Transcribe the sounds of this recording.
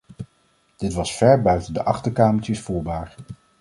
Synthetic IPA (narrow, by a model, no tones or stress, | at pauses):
d̥ɪtʋɑsfɛɹbœɥtəndəʔɑχtəɹkaːməɹtəsfuːɹbaːɹ